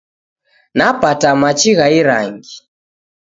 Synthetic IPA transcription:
napatamat͡ʃiɣaiɾa̰ŋɡi

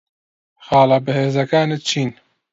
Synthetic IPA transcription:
xɑːlɑːbɨheːzɐkaːnɨt̪̚t͡ʃʰiːn

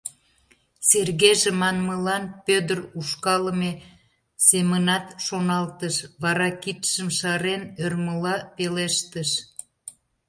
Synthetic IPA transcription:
serɣeʒemɑnməlɑnpød̪əruʃkɑləme | semənɑt̪ʃonɑlt̪əʃβɑɾɑkit̪ʃəmʃɑɾenørməlɑpeleʃt̪əʃ

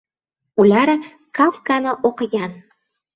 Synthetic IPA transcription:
ulʲɑɾ | kalˠkanɤʔoqɤ̆jɑn

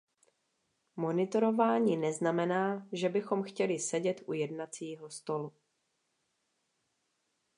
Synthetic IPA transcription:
mo̞nɪt̪o̞ɾo̞vaːɲiːnɛznamɛnaːʒɛbɪxo̞mxcɛlɪsɛɟɛt̪ʔujɛdnat͡siːɦo̞st̪o̞lu

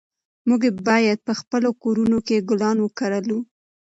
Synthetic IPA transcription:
muɡebɑjad̪̚pəxpəlokoɾunokeɡʊlɑnwəkaɾəlu

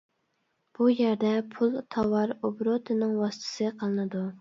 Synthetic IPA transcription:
b̥ujɛɾd̪ɛpʰulˠt̪ʰɑwɑɾobɾot̪ʰɨnɨŋwɑsɨ̥t̪ʰɨ̥sɨqʰəlˠɨnɨd̪u

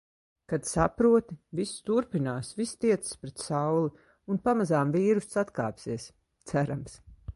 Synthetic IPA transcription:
kad̪sapɾuɔt̪ivisst̪uɾpinaːsvist̪iɛt̪sɨ̥spɾɛt̪sawlˠi | unpamazaːmviːɾust̪sat̪ka̰ːpsiɛs | t̪sæɾams

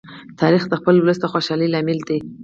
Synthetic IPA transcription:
t̪ʰɑɾixd̪əxpəlwləst̪əxoʃɑlilɑmild̪e

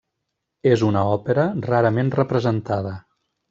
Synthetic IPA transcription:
ezunəɔpeɾəraɾəmenrəpɾəzənt̪að̞ə

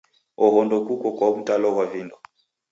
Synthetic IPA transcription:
ɔɦɔndɔkukɔkwaβutalɔβwavindɔ

